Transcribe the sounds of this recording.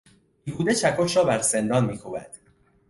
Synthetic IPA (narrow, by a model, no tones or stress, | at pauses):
juːd̪e̞t͡ʃʰækʰoʃɾɒːbæɾse̞nd̪ɒːnmiːkʰobæ̰d̪̥